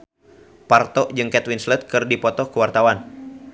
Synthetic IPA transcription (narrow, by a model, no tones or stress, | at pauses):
part̪ɔʔd͡ʒɨŋkɛt̪winslɛt̪̚kɨrdipɔt̪ɔkuwart̪awan